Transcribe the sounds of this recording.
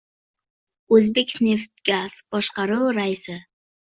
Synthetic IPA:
ɵzbekʲne̞ft̪ɡaz̥b̥ɒʃqɑɾɨlˠɾaisɪ

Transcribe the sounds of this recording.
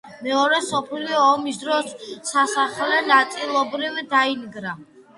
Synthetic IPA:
mɛɔɾɛsɔpʰliɔːmis̬d̪ɾɔsːasaχlɛnat̪sʼilˠɔbɾivd̪ainɡɾa

